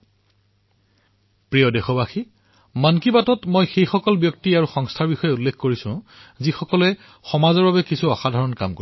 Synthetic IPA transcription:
pɹijɔdexɔbaxi | mankibatɔtmojxejxɔkɔlbjɔk̚tiaɹuxɔŋstʰaɹbixɔjɛulːekʰkoɹisʊ̃zixɔkɔlɛ | xɔmazɔɹbabɛkisuaxadʱɔɹɔnka̰mko

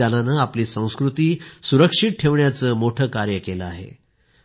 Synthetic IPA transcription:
ananəːapliːsə̃w̃skɾut̪iːsuɾəkʂiʈ̚ʈʰːeʋɳjat͡səːmoʈʰəːkaɾjəkeləaɦḛ

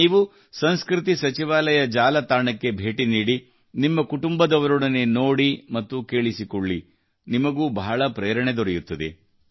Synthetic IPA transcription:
iːʋu | sɐnskɾit̪̬isɐt͡ʃiʋaːlɐjɐd͡ʒaːlɐt̪aːɳɐkːe̞bʱe̞ːʈiniːɽi | nimːɐkuʈumbɐd̪ɐʋɐɾoɽɐnːenoːɽimɐt̪ːuke̞ːɭisikoɭːi | nimɐɡuːbɐːɐɭɐpɾeːɾɐɳed̪ɔɾɛjut̪ːɐd̪ḛ

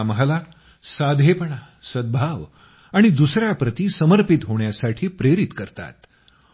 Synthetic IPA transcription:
məɦla | sad̪ʱepəɳa | səd̪̚bʱaʋ | aɽ̃id̪usɾjapɾət̪iːsəməɾpit̪ɦoɳjasaʈʰiːpɾeɾit̪kəɾt̪a̰t̪

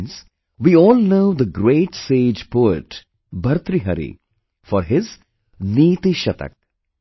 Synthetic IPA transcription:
ns | ʋiːɔːlnoːʊd̪əɡɾeːʈseːd͡ʒpoːɪʈ | bʱɐɾt̪ɾiɦɐ̰ɾḭ | fɔɾɦɪz | niːt̪iʃɐt̪ə̰k̚

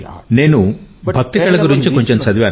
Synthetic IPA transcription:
neːnubʱɐk̚t̪iɡɐɭɐɡuɾiɲt͡ʃukoɲt͡ʃonsɐd̪ʋjaːn

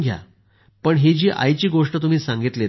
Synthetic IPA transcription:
ɡʱja̰ | pəɳɦed͡ʑiːʔa̰jt͡ɕiːɡoʂʈət̪um̤iːsãŋɡit̪le

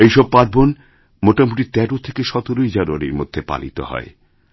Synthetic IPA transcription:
ejʃɔb̚paɾbon | moʈamuʈit̪ɛɾot̪ʰekeʃɔt̪oɾojd͡ʑanuaɾiɾmo̰d̪ʱːepa̰lḭt̪o̰ɦɔ̰e

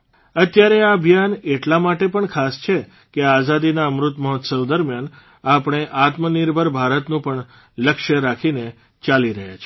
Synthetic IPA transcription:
ət̪jaɾeaəbʱjaneʈlamaʈepəɳkʰast͡ʃʰe | keazad̪inaəmɾʊt̪məɦɔt̪səwd̪əɾmjan | apɳ̃eʔat̪məniɾbʱəɾbʱaɾət̪nũpəɳ | ləkʃəɾakʰine | t͡ʃaliɾəɦja̰t͡ʃʰe

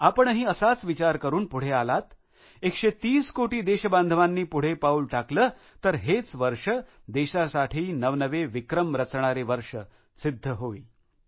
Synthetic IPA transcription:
apəɳɦiːəsat͡sʋit͡ɕaɾkəɾuːnpuɽ̤ealat̪ | ekʂet̪iːskoʈiːd̪eɕəband̪ʱəʋanːiːpuɽ̤epauːlʈakləː | t̪əɾɦet͡sʋəɾʂəd̪eɕasaʈʰiːnəʋnəʋeʋikɾəmɾət͡sɳ̃aɾeʋəɾʂə | sid̪ʱːəɦoiː

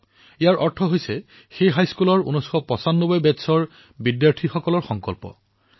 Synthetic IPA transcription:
ijaɹʔɔɹtʰɔɦojsɛ | xejɦajskulɔɹṵnɔjsxɔpɔsanːobɔjbɛtsɔɹ | bidjaɹʈʰixɔkɔlɔɹxɔŋkɔlpɔ̰

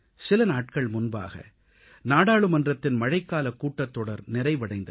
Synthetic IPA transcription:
sɪlɐnaːʈ̚kɐɭmʊnba̰ːɣɐ̰ | naːɽaːɭɯmɐndrɐt̪ːɪnmɐɻɐɪkːaːlɐkːuːʈːɐt̪ːɔɽɐɾnɪɾɐɪʋɐɽɐɪnd̪ɐ

